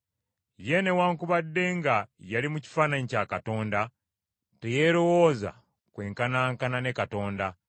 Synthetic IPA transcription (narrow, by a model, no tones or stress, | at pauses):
je̞ne̞waːŋkuβadːe̞ŋɡajalimuci̥faːnaɲicaːkato̞ːnda | tejeɾo̞wo̞ːza̰ | kwe̞ːŋkanaːŋkananekato̞ːnda